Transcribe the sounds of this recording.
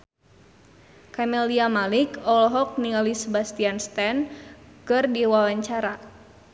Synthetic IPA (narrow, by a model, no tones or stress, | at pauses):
kamɛliamalikɔlɦɔk̚niŋalisəbast̪ianst̪ɛnkɨrdiwawaɲt͡ʃaɾa